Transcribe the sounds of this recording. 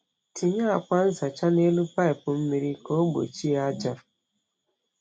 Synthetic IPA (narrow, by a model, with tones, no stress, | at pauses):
tʰi˨ɲa˦a˨kʷa˦n̩˦za˨t͡ʃa˦ne˦lu˦pa˦i˨pʊ˨m̩˦mi˦ɾi˦ko˦ɡ͡bo̰˨t͡ʃi˦a˦d͡ʒa˦